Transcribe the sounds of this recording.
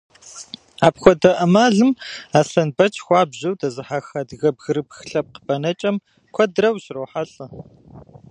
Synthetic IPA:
aːpxʷɔdɐʔɐmaːɮɨmaːɬɐnbɐt͡ʃʼxʷɑːbʑɐwdɐzɨħaxɐdɣɐbɣɨɾɨb̚xɬʼɐp̚qə̥pɐnɐt͡ʃʼɐm | kʷʰɔdrɐwʃroːħaɬʼɐ

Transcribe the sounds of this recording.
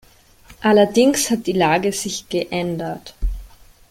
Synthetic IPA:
ʔalɐdɪŋshat̚d̥iːlaːɡəz̥ɪçɡ̥əʔɛndɐt

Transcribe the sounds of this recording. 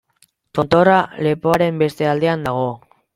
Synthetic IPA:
t̪o̞nt̪o̞rale̞poaɾe̞mbe̞st̪e̞ald̪e̞and̪aɣ̞o̞

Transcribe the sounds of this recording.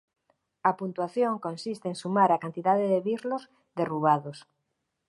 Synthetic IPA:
ɐpunt̪waθjoŋkõnsist̪eŋsumaɾakant̪iðaðeðeβiɾloz | ðeruβaðos

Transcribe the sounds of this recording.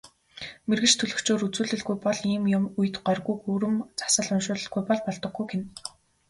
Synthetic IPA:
merɣɘ̥̆t͡ɕt̪ʰɵɮɵ̆kt͡ɕoːɾut͡suːɮɘ̆ɮɡujpɔɮiːmjʊmujɘ̆t̪ɢœrɣujxuːɾɘ̆mt͡sḁsə̆ɮʊnʃʊːɮə̆ɮɡujpɔɮpɔɮt̪ɞ̆ɡːujɡen

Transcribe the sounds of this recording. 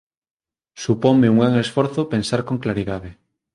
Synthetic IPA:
supoŋmeuŋɡɾaŋesfoɾθopẽnsaɾkoŋklaɾiðaðe

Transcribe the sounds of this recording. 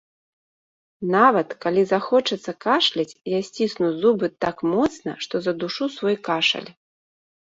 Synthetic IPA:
navɐt̪kalʲizaxɔt͡ʂɐt̪sːɐkaʂlʲit͡sʲjasʲt͡sʲisnuzubɨt̪akmɔt̪snɐ̰ʂt̪ɔzɐd̪uʂusvɔjkaʂɐ̰lʲ

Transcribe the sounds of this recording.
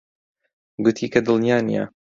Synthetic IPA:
ɡʊt̪ʰiːkɐd̪ɨlˠnjaːnḭja̰

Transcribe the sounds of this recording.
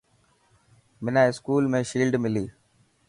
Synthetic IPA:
mɪnãːɪskuːlmẽːʃiːlɖmɪliː

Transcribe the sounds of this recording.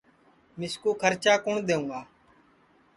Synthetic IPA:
mɪskuːkʰəɾt͡ʃaːkʊɳd̪eːũːɡaː

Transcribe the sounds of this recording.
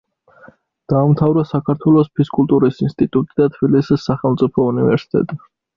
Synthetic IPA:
d̪̥aːmt̪ʰavɾasakʰaɾt̪ʰwɛlˠɔspʰiskʼult̪ʼuɾisinst̪ʼit̪ʼut̪ʼid̪at̪ʰb̥ilisisːaχɛlˠmt̪sʼipʰɔunivɛɾsi̥t̪ʼɛ̰t̪ʼi

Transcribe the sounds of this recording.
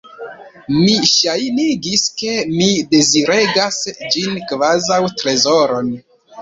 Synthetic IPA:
miʃajniɡiske̞mide̞ziɾe̞ɡasd͡ʒinkvazawtɾe̞zo̞ɾo̞n

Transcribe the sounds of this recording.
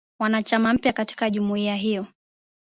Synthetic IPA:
wanat͡ʃamam̩pjakati̥kaʄumuiaɦijɔ

